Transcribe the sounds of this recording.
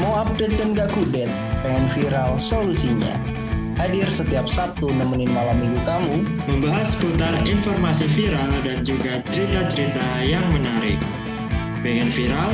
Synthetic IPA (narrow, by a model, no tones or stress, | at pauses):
moap̚dɛt̪̚ːəŋɡakudɛt̪̚bɛŋɛnfiɾalsolusiɲa̰ | hadirsət̪iap̚sat̪unaŋməninmalamilukamu | məmbaɦasfut̪arinfɔrmasifiɾaldand͡ʒuɡat͡ʃəɾit̪at͡ʃəɾit̪ajaŋmənaɾɪ̰k̚ | pɛŋanfiɾal